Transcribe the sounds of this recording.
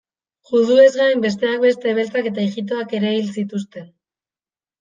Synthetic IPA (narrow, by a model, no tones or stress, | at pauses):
ʝuðue̞zɣaembe̞s̬t̪e̞ak̚be̞st̪e̞βe̞lt͡sake̞t̪aeɣit̪̬o̞ake̞ɾeβilsit̪ust̪e̞n